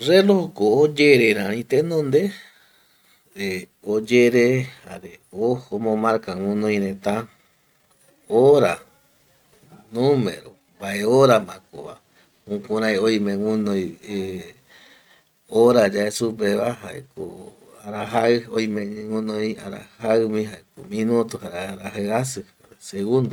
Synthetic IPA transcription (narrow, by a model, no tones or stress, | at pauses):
ɾelohokoːd͡ʒeɾeɾãɾ̃ĩt̪enõnd̪e | e | od͡ʒeɾeha̰ɾeohomõmaɾkaŋũnõj̃ɾẽt̪ã | oɾa̰ | nũmḛ̃ɾo | mbaʔeoɾamãko̰βa̰ | ũkũɾãjojmẽwũnõje | oɾad͡ʒaesupeβaɦaʔḛko̰ | aɾaɦaojmẽɲwũnõja̰ɾa̰haɨmĩɦaekomĩnõt̪uhaɾeaɾaɦaasɨhaɾeseɣũnd̪o